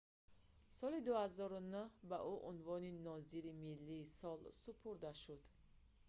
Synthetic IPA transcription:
sɔlid̪uhazɔɾunuhbaʔuʔunvɔninɔzilimilːiːsɔlsupʰuɾd̪aʃud̪̥

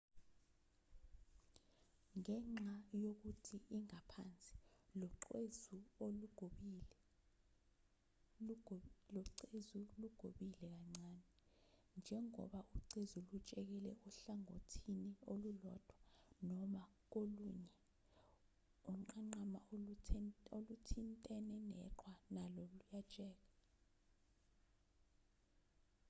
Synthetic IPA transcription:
ŋɛŋ͡ǁajok̬utʰiʔiŋapʰa̰nt͡sʼi̥lɔezuoluɡ̥ʱo | lɔǀezuluɡ̥ʱoɓilɛk̬aŋ͡ǀaːnɛ | nd͡ʒʱɛŋɔ̰ɓaʔuǀezulut͡ʃʼɛk̬ɛlɛʔuɬaŋo̰tʰiniolulɔd̥ʱwanɔmak̬oluɲɛ | ɔŋ͡ǃaŋ͡ǃama | olutʰintʼɛnɛnɛ̰ǃwanalɔlujat͡ʃʼɛːk̬a

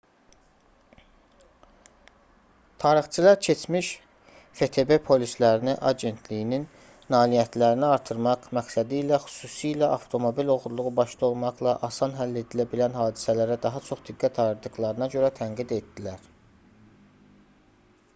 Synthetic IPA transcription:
t̪ʰɑːɾiχt͡ʃʰɯlˠɑɾcʰe̞t͡ʃʰmiʃ | fe̞t̪ʰe̞be̞pʰo̞lislæɾiniʔɑɟe̞nt̪ʰlijininː | ɑːlijæt̪ʰlæɾiniɑɾt̪ʰɯɾmɑʁmæksæd̪iːlæxy̥suːsiːlæʔɑft̪ʰo̞mo̞bilo̞ɣuɾlˠuʁubɑʃt̪ɑo̞lˠmɑʁlˠɑ̰ʔɑsɑnɦælːe̞d̪ilæbilænɦɑːd̪isælæɾæd̪ɑɦɑt͡ʃʰo̞χd̪iɡːæt̪ʰɑɾɯɾd̪ɯɣlˠɑɾɯnɑɟø̞ɾæt̪ʰæŋɡid̪e̞t̪d̪ilæɾ̥

